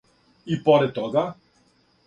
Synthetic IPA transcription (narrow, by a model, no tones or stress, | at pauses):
ipɔɾɛt̪̚ːɔɡa